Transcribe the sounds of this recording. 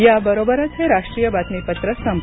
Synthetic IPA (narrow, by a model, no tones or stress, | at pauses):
jabəɾobəɾət̪ʰeɾaʂʈɾijəbat̪mipət̪ɾəsəm